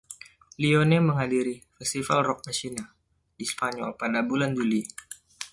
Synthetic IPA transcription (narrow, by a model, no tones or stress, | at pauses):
lionɛməŋɦadiɾifɛst̪ifa̰lrɔk̚masina | dispaɲɔ̰lpadabuland͡ʒuli